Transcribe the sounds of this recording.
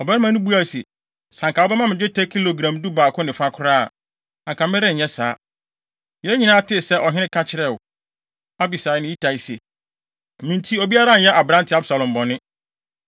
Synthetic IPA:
ɔ˨bɛ˦n˦mã˦nʊ̃˦bu˦a˨sɛ˨ | sã˨ŋkʰa˨wɔ˦bɛ˦mã˦mɪ̃˨d͡ʑᶣɪ˦tʰɛ˦kʰi˦lo˨ɡɾã˨mdu˦baː˨kʰʊ˦nɪ̃˨fa˦kʰʊ˦ɾaː˦a̰˨ | ã˨ŋkʰa˨mɪ̃˦ɾɪ˦ɲ˨ɲɛ̃˦saː˨˦ | jɛ˨˦ɲĩ˨nãː˦tʰɪ˦˨sɛ˦ʔɔ˨ɦɪ̃˦nɪ̃˦kʰa˦t͡ɕʰɪ˦ɾɛ˦˨wʊ˨ | a˦bi˨saː˨ɪ˦nɪ̃˦i˦tʰa˨i˨sɛ˨ | mɪ̃˨ntʰi˦o˨bi˦a˦ɾa˦˨n˨jɛ˦ʔa˨bɾã˦ntʰɪ˨˦a˦bsa˨lɔ̃˨mbɔ˨nɪ̃˦

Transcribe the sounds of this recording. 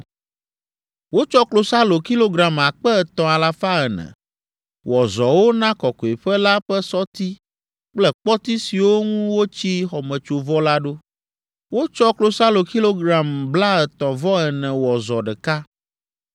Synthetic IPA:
wo˦t͡ʃɔ˦klo˦sa˦lo˨ki˦lo˦ɡɾã˨ma˨k͡pɛ˦ɛ˨t̪ɔ̃˨a˨la˨fa˦ɛ˨nɛ̰̃˨ | wɔ˨zɔ˨wo˦nã˦kɔ˨kɔ˨e˨ɸɛ˦la˦ɸɛ˦sɔ˦t̪i˦ | k͡plɛ˦k͡pɔ˦t̪i˦si˨wo˦ŋũ˦wo˦t͡ɕi˦xɔ˨mɛ̃˨t͡ʃo˨vɔ˦la˦ɖo˦ | wo˦t͡ʃɔ˦klo˨sa˦lo˨ki˦lo˦ɡɾa˨mbla˦ɛ˨t̪ɔ̃˨vɔ˦ɛ˨nɛ̃˨wɔ˨zɔ˨ɖɛ˨ka˦

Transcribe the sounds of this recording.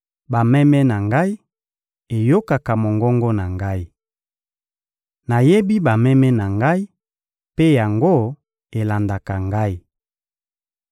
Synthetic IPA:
ba˨mɛ˦mɛ˦na˨ŋɡa˦i˦ | e˨jo˦ka˨ka˨mo˨ŋɡɔ˦ŋɡɔ˦na˨ŋɡa˦i˦ | na˨je˦bi˦ba˨mɛ˦mɛ˦na˨ŋɡa˦i˦ | pe˦ja˨ŋɡo˦ | e˨la˨nda˨ka˨ŋɡa˦i˦

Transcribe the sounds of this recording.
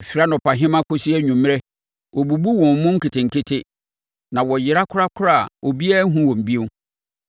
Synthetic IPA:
fi˨ɾa˦nʊ̃˨pʰa˨ɦɪ̃˦mã˦kʰʊ˦si˦ɛ˦ɲᶣũ˨m̃˦ɛ˦ | ʔɔ˨bu˨bu˦wɔ̃˨m˨mʊ̃˦ŋ̩˦kʰɪ˨tʰɪ̃˨ŋ̩˨kɪ˦tʰɪ˦ | nã˨wɔ˨jɪ˨ɾa˦kʰʊ˦ɾa˦kʰʊ˦ɾa̰˦˨o˨bi˦a˦ɦũ˦wɔ̃˨m̩˨bi˦o˦

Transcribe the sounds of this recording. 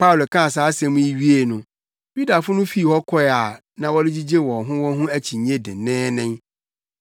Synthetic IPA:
pa˦ʊ˨lo˨kʰã˦a˨saː˨˦sɛ̃˨˦mũ˦i˦ɥi˦e˨nʊ̃˨ | ju˦da˨fʊ˦nʊ̃˦fi˦˨hɔ˦kʰɔ˦ɛ˨a˨ | nã˨wɔ˦lɪ˦d͡ʑi˦d͡ʑe˦wɔ˨ɦʊ̃˦wɔ̃˦ɦʊ̃˦æ˦t͡ɕʰi˨ɲ̃˨˦e˦dɪ̰̃˨nɛ̃ː˦nɪ̃˦n

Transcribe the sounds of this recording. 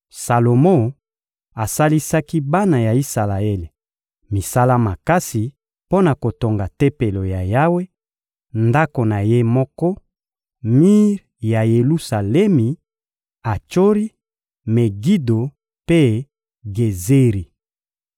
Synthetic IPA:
sa˨lo˨mõ˦˨ | a˨sa˦li˦sa˦ki˦ba˦na˨ja˨i˦sa˨la˨e˦le˨ | mi˨sa˦la˦ma˨ka˦si˨ | po˦na˨ko˨to˨ŋɡa˨te˦pe˨lo˨ja˨ja˦we˦ | nda˦ko˨na˨je˦mɔ˦kɔ˦ | mi˦ʁ | ja˨je˨lu˦sa˨le˦mi˨ | a˨t͡ʃo˦ʁi˦ | me˨ɡi˦do˨ | pe˦ | ɡe˨ze˦ʁi˨

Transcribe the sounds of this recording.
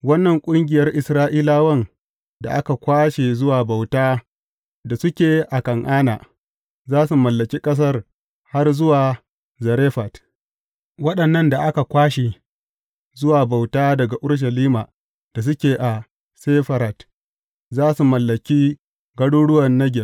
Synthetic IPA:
wɐ˦nːɐ˨ŋkʷʼʊ˦ŋɡʲɪ˨jɐ˦rʔɪ˨sɾaː˦ʔiː˦laː˦wɐ˦ŋ | da̰˨ʔa˦ka˨kʷaː˦ʃe˨zʊ˦waː˨ba˨wtaː˦ | da˨sʊ˦kʲeː˨ʔa˨kɐ˨ŋʔaː˦naː˨ | zaː˦su˨mɐ˨lːɐ˨kʲi˦kʼɐ˦s̬ɐ˦r | ha˦rzʊ˦waː˨ | zɐ˨ɾeː˦ɸa˨t | wɐ˦ɗɐ˨nːɐ˦nda˨ʔa˦ka˨kʷaː˦ʃe˨ | zʊ˦waː˨ba˨wtaː˦dɐ˨ɡa˨ʔʊ˦ɽʃ̬ɐ˨liː˦maː˨ | d̥a˨s̬ʊ˦kʲeː˨ʔa˨ | se˦ɸɐ˨ɾa˨t | zaː˦su˨mɐ˨lːɐ˨kʲi˦ | ɡɐ˦ɽuː˦ɽʊ˦wɐ˨nːɐ˦ɡʲɛ˨

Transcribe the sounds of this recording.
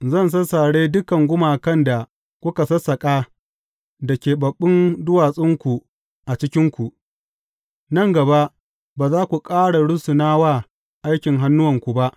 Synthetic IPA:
zɐ˦˨ns̬ɐ˦saː˨ɽeː˦dʊ˦kɐ˨ŋɡʷʊ˦maː˨kɐ˦nda˨ | kʷʊ˦ka˨sɐ˦sːɐ˨kʼaː˦ | dɐ˨kʲeː˨bɐ˨ɓːɪ˦ndʊ˦waː˨sʼɪ˦ŋkʷu˨ | ʔa˨t͡ʃɪ˦kʲɪ˦ŋkʷu˨ʔ | nɐ˦˨ŋɡɐ˨ba˦ʔ | baː˨zaː˦kʷu˨kʼaː˦ɽa˨ɽʊ˦sʊ˨naː˦waː˦˨ | ʔa˦jkʲɪ˨ŋɦa˦nːʊ˦wɐ˨ŋkʷu˨ba˦ʔ

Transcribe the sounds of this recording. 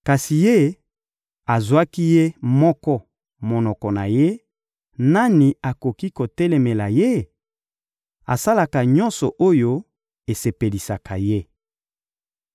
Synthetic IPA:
ka˨si˨je˦ | a˨zwa˦ki˦je˦mɔ˦kɔ˦ | mo˨nɔ˨kɔ˨na˨je˦ | na˦ni˨a˨ko˨ki˦ko˨tɛ˦le˨me˨la˨je˦ | a̰˨sa˦la˨ka˨ɲɔ̃˦nsɔ˨ʔo˦jo˦ | e˨se˨pe˨li˨sa˨kʰa˨je˦

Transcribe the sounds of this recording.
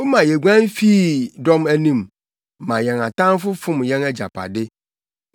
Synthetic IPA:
o˦mã˨jɛ˨ɡʷã˦n˦fiː˦˨dɔ̃˦mæ˦nĩ˦˨mː | ã˨jɛ˨ŋã˨tã˦n˦fʊ˦fʊ̃˦mjɛ̃˦nɛ˦d͡ʑa̰˨pʰa̰˨dɪ˦

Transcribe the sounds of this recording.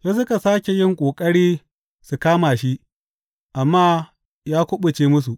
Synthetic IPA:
se˦s̬ʊ˦ka˨saː˦kʲe˨jɪ˦ŋkʷʼoː˨kʼɐ˦ɽiː˦ | su˨kaː˦maː˨ʃi˦ʔ | ʔa˨mːaː˦ | jaː˦kʷʊ˦ɓʊ˨t͡ʃeː˦mʊ˦s̬u˨ʔ

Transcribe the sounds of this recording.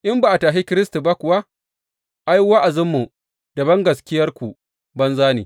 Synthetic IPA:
ʔɪ˦mba˨ʔa˨taː˨ʃi˦kʲɪ˦ɾɪ˦stu˨ba˦kʷʊ˨wa˦ʔ | ʔa˦jwa˦ʔa˨zɪ˦mːu˨ | dɐ˨bɐ˦ŋɡɐ˨skʲɪ˦jɐ˦rkʷu˨ | bɐ˦nzaː˦nḛː˨

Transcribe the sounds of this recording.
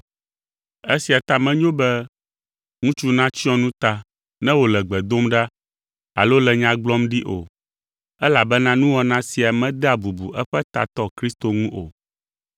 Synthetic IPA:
ɛ˦si˨a˨t̪a˦mɛ̃˦ɲõ˦bɛ˦ | ŋũ˦t͡ʃu˦nã˦t͡ɕi˦ɔ˦nũ˦t̪a˨ | nɛ̃˦wo˨lɛ˨ɡ͡bɛ˨d̪o˦mɖa˦ | a̰˨lo˦lɛ˨ɲã˦ɡ͡blɔ˦mɖi˦ʔo̰˨ | ɛ˦la˨bɛ˦nã˦nũ˦wɔ˦nã˦si˨a˨mɛ̃˦d̪ɛ˦a˨bu˨bu˨ʔɛ˦ɸɛ˦t̪a̰˨t̪ɔ˦kɾi˦st̪o˨ŋũ˦ʔo̰˨

